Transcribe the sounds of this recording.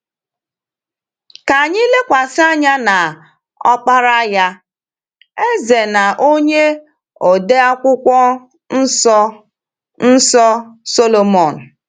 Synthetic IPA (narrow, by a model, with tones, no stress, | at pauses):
ka˨ɲi˦le˦kʷa˨sɪ˦a˦ɲa˦na˨ | ɔ̰˦k͡pa˦ɾa˦ja˦ | e˦ze˨na˨ʔo˦ɲe˦ | o˨de˦a˦kʷʊ˦kʷɔ˦ | n̩˦ɔ˦ | n̩˦sɔ˦so˦lo˨mɔ˨n̩˨